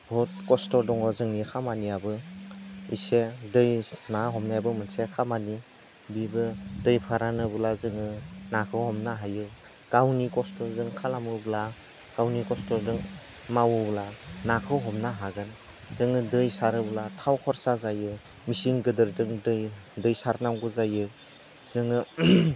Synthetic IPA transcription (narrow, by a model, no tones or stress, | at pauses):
bʱɔt̚kɔstɔdɔŋɔzɯŋnikʰamaniabɯ | ḭsedɯjnaɦɔmnajbɯmɯnsekʰamani | bibɯdɯjpʰaɾanɯbɯlazɯŋɯnakʰɯhɔmnaɦajɯ | ɡ̥awnikɔstɔzɯŋkʰalamɯbla | ɡ̥awnikɔstɔdɯŋ | mawɯblanakʰɯwɦɔmnaɦaɡɯn | z̥ɯŋɯdɯjsaɾɯbɯlatʰawkʰɔɾsazajɯ | misiŋɡɯdɯɾdɯŋdɯjdɯjsaɾnawɡɯzajɯ | z̥ɯŋɯ